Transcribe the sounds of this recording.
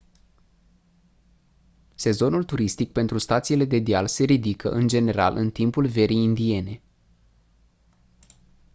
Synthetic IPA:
se̞zo̞nult̪uɾist̪ik̚pe̞nt̪ɾust̪at̪siːle̞d̪e̞d̪ialse̞ɾid̪ikə̰ʔɨnd͡ʒe̞ne̞ɾa̰lʔɨ̰nt̪impulve̞ɾijind̪ie̞ne̞

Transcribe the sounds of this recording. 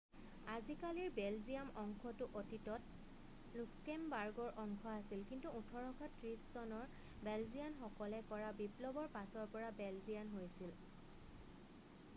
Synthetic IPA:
azikaliɹbɛlzijamɔŋkʰɔtʊʔotitɔt | luskɛmbaɹɡɔɹʔɔŋkʰɔasilkintuutʰɔɹɔkʰatɹiszɔnɔɹ | bɛlzijanxɔkɔlɛkɔɹabiplɔbɔɹpasɔɹpɔɹabɛlzijanɦojsil

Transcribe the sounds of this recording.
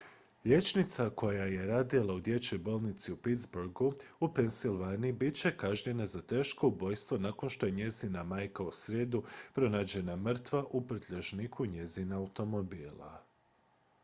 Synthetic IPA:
lʲe̞t͡ʃnit̪sako̞jaje̞ɾaːd̪ilˠaud̪je̞t͡ɕo̞jbo̞ːlˠnit̪siupit̪zbuɾɡuupe̞nsilʋaːniːbit͡ɕe̞kaʒɲe̞nazat̪e̞ːʃko̞ubo̞ːjst̪ʋo̞naːko̞nʃt̪o̞je̞ɲe̞zinamaːjkausɾjeːd̪upɾo̞naːd͡ʑe̞namr̩t̪ʋaʔupr̩t̪ʎaʒnikʰuɲe̞zinaːut̪o̞mo̞biːla̰

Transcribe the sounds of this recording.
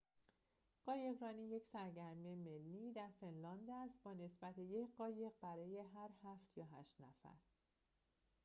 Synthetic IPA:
ɢ̥ɒːje̞ɣɾɒːniːje̞cʰsæɾɟæɾmemelːiːd̪æɾfe̞nlɒːnd̪æst̪bɒːne̞sbæt̪ʰejecʰɢɒːje̞ɢ̚bæɾɒːje̞ɦæɾhæːft̪jɒːɦæ̰ʃt̪næfæ̰ɾ

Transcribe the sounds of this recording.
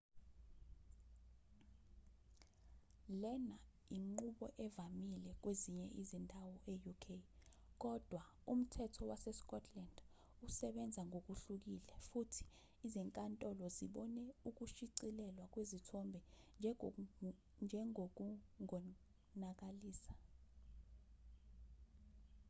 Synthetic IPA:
lɛna | iŋ͡ǃuɓɔ̰ʔɛvamilɛk̬weziɲɛʔizindʱawɔʔejukʰej | k̬ɔd̥ʱwa | um̩tʰɛtʰɔwasɛskʼɔtʰland | usɛɓɛnd͡zʱaŋok̬uɬuk̬ilɛfutʰi̥ː | ziŋkʼantʼɔlɔziɓɔnɛuk̬uʃiǀilɛlwak̬wezitʰɔmbʱɛnd͡ʒʱ | nd͡ʒʱɛŋok̬uŋɔ | nak̬aliːsḁ

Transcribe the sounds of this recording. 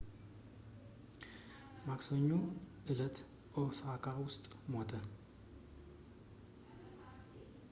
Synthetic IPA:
maksɐɲːuʔɨlɐt̪ | ʔosakʰawʊst̪ʼmot̪ʰɐ

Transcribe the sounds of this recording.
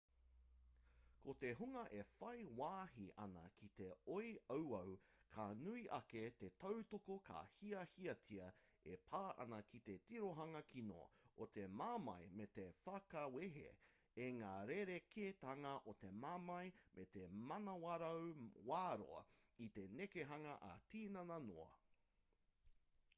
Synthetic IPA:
kot̪eɦuŋɐʔefɐjwaːɦiʔɐ̰nɐ̰kʰit̪eojɐwɐwkʰanuiʔɐket̪etʰɐwt̪okokʰa̰hiɐhiɐtʰiɐepʰaːʔɐ̰nɐkʰit̪etiɾoɦɐŋɐkʰino̰ot̪ʰemaːmɐ̰jmet̪efakɐweɦḛ | eŋaːɾeɾekʰeːt̪aŋɐʔot̪e̞maːmɐjmʔet̪emɐnɐwɐɾɐwwaːɾo̰ɐ̰it̪e̞nekeɦɐŋɐʔɐ̰tiːnɐnɐno̰ɐ̰

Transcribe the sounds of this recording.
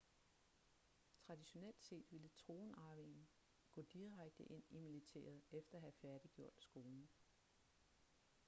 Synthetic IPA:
t͡sʰʁɑ̈d̥iɕo̝nel̰d̥se̝̰ːd̥ʋilət͡sʰʁo̝ːnɑ̈ːʋen | ɡ̥ɔ̰̽ːd̥iʁaɡ̥̚d̥əʔe̝n̰imilit͡sʰe̝̰ːɐð̞̩ˠefd̥ɐhæfæɐd̥iɡ̥jo̝ɐ̰d̥sɡ̥o̝ːln̩

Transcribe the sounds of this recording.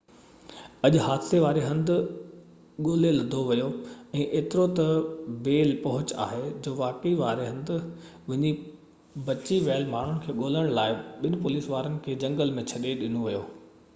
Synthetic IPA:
ɐʄʊɦaːd̪seʋaːɾeɦɐ̃nd̪ʊ | ɠoːlelɐd̪ʱoʋijoɛ̃ːʔeːt̪ɪɾot̪ɐbeːlpɐɦʊt͡ɕa̰ːɦed͡ʑoːʋaːkəiʋaːɾeɦɐ̃nd̪ | ʋɪ̃ɲi | bɐt͡ɕiʋɛːlmaːɳ̤ʊnɪ̆kʰeːɠoːləɽ̃laːɪɓɪnɪ̆pʊliːsʋaːɾənɪ̆kʰeːd͡ʑɐ̃ŋɡəlmẽt͡ɕʰɐɗeɗɪnoʋijoː

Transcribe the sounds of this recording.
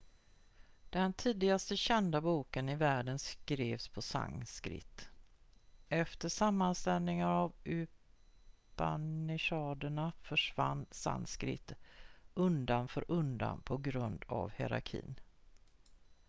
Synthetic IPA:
d̪̥ɛnt̪ʰiːd̪ɪɡast̪əɕɛnd̪abuːkənɪvæːɖənskɾeːvspʰɔsa̰ŋskɾɪ̰t̪ː | ɛft̪əʂamːanst̪ɛlnɪŋaɾavʉ | pa̰nɪɕɑːd̪əɳafœʂva̰nːsa̰ŋːskɾɪ̰t̪ | ɵnd̪anfœːɾʔɵnd̪a̰npʰɔɡɾɵnd̪a̰vhɪɾa̰ɾkʰḭːn

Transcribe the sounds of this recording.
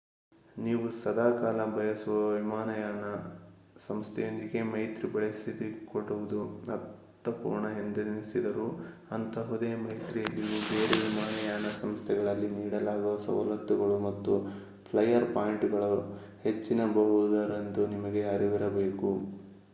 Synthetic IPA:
niːʋusɐd̪aːkaːlɐbʱɐjɐsuʋɐʋimaːnɐjaːnɐ | sɐmst̪ʰɛjond̪iɡe̞mɐjt̪ɾibɐɭɐsid̪ikoɽuʋud̪uɐt̪ː | ɐpṵːɾɳɐɦend̪ɐnisid̪ɐɾuɐnt̪ɐɦɔd̪emɐjt̪ɾiʔilːibe̞ːɾeʋimaːnɐjaːnɐsɐmst̪ʰɛɡɐɭɐlːiniːɽɐlaːɡɐʋɐsɐ̰ʋɐlɐt̪ːuɡɐɭumɐt̪ːu | pʰlɐjɐɾpaːjiɳʈɡɐɭu | he̞t͡ʃːinɐbɐɦud̪ɐɾend̪unimɐɡe̞ɦɐɾiʋiɾɐbe̞ːku

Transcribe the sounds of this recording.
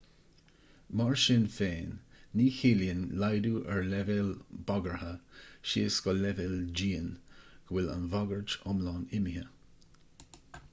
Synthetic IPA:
maɹʃɪnfeːnː | iːheljənlajduːʔɛɹlɛvɛlbaɡəɹhəʃiːəskɔlɛveld͡ʒiːənɡ̥əwɪla̰nvaɡəɹd͡ʒɔmlɑːnɪmiɦə

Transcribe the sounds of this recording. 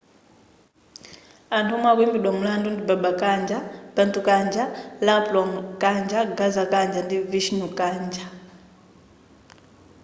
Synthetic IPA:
antʰuɔmwakuimbiɗwamulandundibaɓakand͡ʒapɛntukand͡ʒalaplɔmkand͡ʒaɡazakand͡ʒandiviʃinukand͡ʒa

